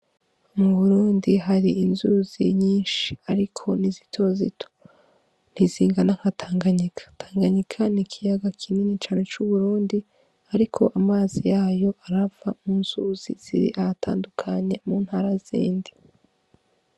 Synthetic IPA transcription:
muβuɾuːndiɦaɾiinzuzḭɲiːnʃi̥aɾikʰo̞nizitʰo̞zḭtʰo̥ | n̥iziːŋɡanaŋ̥atʰaːŋɡaɲikʰḁtʰaːŋɡaɲikʰanikʰijaɡakʰininit͡ʃaːne̞t͡ʃuβuɾuːndi | aɾikʰo̞̰ʔamaːzijaːjo̞ʔaɾavamunz̥uzḭz̥ḭɾḭʔahatʰa̰ːndukʰaɲe̞muːn̥haːɾaz̥ḭːndi

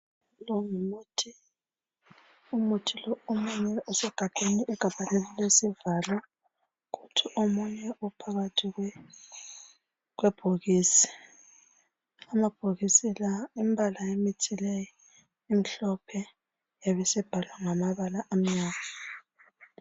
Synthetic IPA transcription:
lɔŋumuːtʰi | umutʰilɔomuɲɛʔusɛɡ̥ʱatʼeniʔːɡ̥ʱab̥ʱalelilesivala | ɣutʰiʔomuɲɛʔupʰaɣatʰiɣw | ɣwɛb̥ʱuɣiːsi̥ | amab̥ʱoɣisilaimbʱalajemitʰilɛjɔ | im̩ɬɔpʰɛ | jaβɛsɛb̥ʱalwaŋamaβalaʔam̩ɲaːnɔ

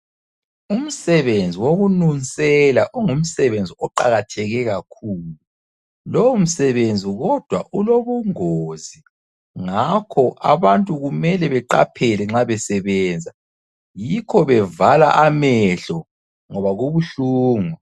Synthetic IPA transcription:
um̩sɛβend͡zʱiwoɣununsʼɛlaʔuŋum̩sɛβend͡zʱiɔǃa̰ɣatʰɛɣɛɣakʰuːlu | lɔum̩sɛβend͡zʱiɣɔd̥ʱwaʔuloβuŋozi | ŋakʰɔʔa̰βantʼuɣumɛlɛβɛǃa̰pʰɛlɛŋ͡ǁaβɛsɛβɛːnd͡zʱa | jikʰɔβɛvala̰ʔamɛɬɔ | ŋɔβaɣuβuɬuːŋɔ

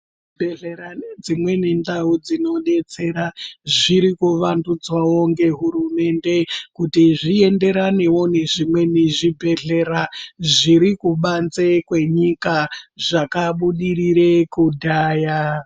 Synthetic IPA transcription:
bʱeɮeɾaned͡zimwe̞ne̞ndaud͡zino̞ɗe̞t͡se̞ɾaʐiɾikuʋandud͡zwawo̞ŋɡe̞ɦuɾume̞nde̞kutiʐie̞nde̞ɾane̞wo̞ne̞ʐimwe̞neʐibʱe̞ɮe̞ɾaʐiɾikuɓanzekwe̞ɲikaʐakaɓuɗiriɾekudʱaːja

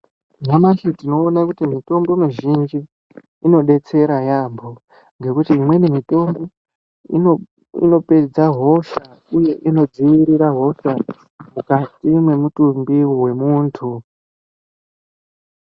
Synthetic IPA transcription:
namaɬitino̞ːnakutimito̞mboinoʒind͡ʒiː | no̞ɗe̞t͡se̞ɾajambʱo̞ | ŋɡe̞kutiːmwe̞nimito̞mbi | ḭno̞pe̞d͡zaɦo̞ʃa | uje̞ʔino̞d͡ziwiɾiɾaɦo̞ʃa | mukatimwe̞mutumbiwe̞muːntʰu

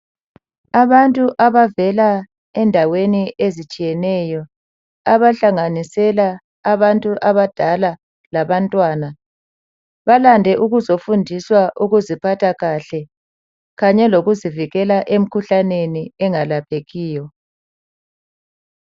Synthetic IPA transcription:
aβantʼuʔaβavɛla | ɛndʱaweniezit͡ʃʼijɛnɛjɔ | aβaɬaŋanisɛlaː | βantʼuʔaβad̥ʱala | laβantʼwaːna | βalandʱɛʔuɣuzofundʱiswaʔuɣuzipʰatʰaɣaɬɛ | ɣaɲɛloɣuziviɣɛlaʔem̩kʰuɬaneniɛŋalapʰeɣiːjɔ

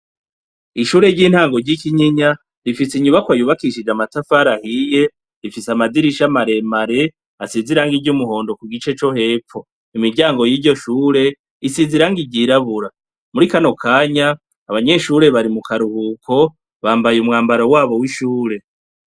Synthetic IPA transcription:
iʃuːɾe̞ɾɟiːn̥haːŋɡo̞ɾɟikiɲiɲa | ɾifisiɲuβakwajuːβakiʃid͡ʒamatafaɾahije̞ | ɾifisamadiɾiʃamaɾe̞maɾe̞ | asiziɾaŋɡiɟumuɦo̞ːndo̞kuɡit͡ʃe̞t͡ʃo̞he̞ːfo̞ | imiɾɟaːŋɡo̞jiːɾɟo̞ʃuːɾe̞ | isiziɾaŋɡiɟiɾaβuɾa | muɾikano̞kʰaːɲaː | βaɲe̞ʃuːɾe̞βaɾimukaɾuhuːkʰo̞ | βaːmbajumŋaːmbaɾowaːβo̞wiʃuːɾe̞

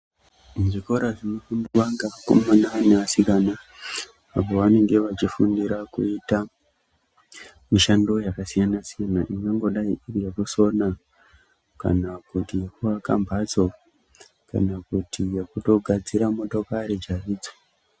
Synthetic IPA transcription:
ʐiko̞ɾaʐinokumbuʋaŋɡako̰mmananeasikanaː | po̞ʋane̞ŋɡe̞ʋat͡ʃifundiɾakṵita | miʃando̞jakasijanasijanaʔiŋɡaŋɡo̞ɗaiʔirijekuso̞na | ka̰nakutijekuʋakambʱat͡so̞ | ka̰nakutʰijekuto̞ɡʱad͡ziɾamo̞to̞kaɾid͡ʒariːd͡zo̥

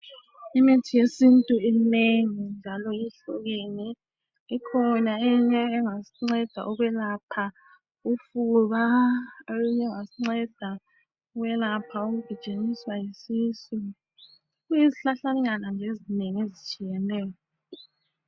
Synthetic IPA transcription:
imitʰijesintʼuimneŋind͡ʒʱalɔjiɬuɣeniː | kʰɔnaeɲɛːŋasiŋ͡ǀɛd̥ʱa̰ʔɔɣwɛlapʰa | ufuβa | uɲɛŋasiŋ͡ǀɛd̥ʱa | uɣwɛlapʰaoɣuɡ̥ʱit͡ʃʼeniswajisiːsu | ujiziɬaɬanɣanaŋd͡ʒʱezineŋiezit͡ʃʼijɛnɛːjɔ

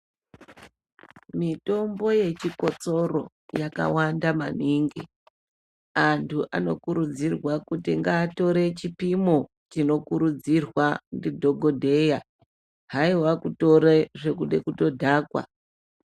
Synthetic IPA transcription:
mito̞mbo̞je̞t͡ʃiko̞t͡so̞ro̞ | jaka̰wandamaniŋɡi | antʰuʔano̞kuɾud͡zirwakutiŋɡaːto̞ɾe̞t͡ʃipimo̞ | t͡ʃino̞kuɾud͡zirwandidʱo̞ɡʱo̞dʱe̞ja | ɦaiwakuto̞ɾeʐe̞kuɗe̞̰kuto̞dʱaːkwa̰

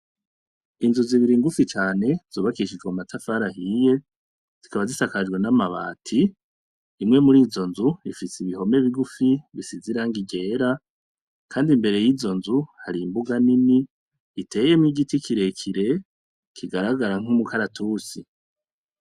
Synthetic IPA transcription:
inzuziβiɾiŋɡufit͡ʃaːne̞z̥oːβakiʃid͡ʒɡamatʰafaɾahije̞ | z̥ikaβazisakad͡ʒɡwe̞namaβa̰ːtʰiː | mŋe̞muɾiːzo̞nzuifisiβiɦo̞me̞βiɡufiβisiziɾaŋɡiɟe̞ːɾa | kʰaːndimbe̞ɾe̞jiːzo̞nzuhaɾimbuɡaniniː | tʰe̞ːjemŋiɡitikʰiɾe̞kʰiɾe̞ | kʰiɡaɾaɡaɾaŋ̥umukaɾatʰuːsi

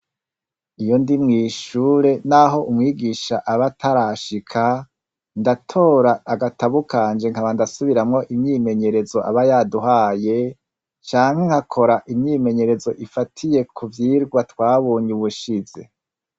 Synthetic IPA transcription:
ijo̞ndimŋiːʃuːɾe̞naɦo̞ʔumŋiːɡiʃaʔaβatʰaɾaʃikʰa | ndatʰo̞ːɾaːɡataβukʰaːnd͡ʒe̞ŋ̥aβandasuβiɾamŋo̞ʔimɲiːme̞ɲe̞ɾe̞zo̞ʔa̰βajaduɦaːje̞ | t͡ʃaːŋhe̞ŋ̥hakʰo̞ɾaʔimɲiːme̞ɲe̞ɾe̞zo̞ʔifatʰije̞kʰuvjiːɾɡwatwaːβoːɲuβuʃize̞̰

